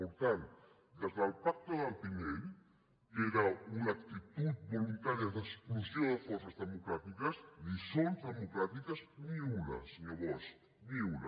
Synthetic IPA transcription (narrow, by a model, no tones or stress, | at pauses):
poɾt̪ant̪ | d̪ezðalpak̚t̪oðalpiɲel | eɾaunakt̪it̪ut̪̚bolunt̪aɾjaðesklusjõðefoɾsazðemokɾat̪ikasnisõnzðemokɾat̪ikasniula̰snoβos | miwla̰